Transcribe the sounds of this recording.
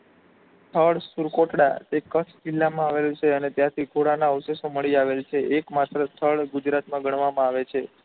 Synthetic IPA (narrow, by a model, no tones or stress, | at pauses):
t̪ʰəɭsuɾkoʈɽa̰t̪ekət͡ʃʰd͡ʒilːamãaʋelũt͡ʃʰeənet̪jãt̪ʰikʰoɽanaəʋsesoməɭiaʋelt͡ʃʰeekmat̪ɾəst̪ʰəɭɡud͡ʒɾat̪mãɡəɳ̃ʋamãaʋet͡ʃʰe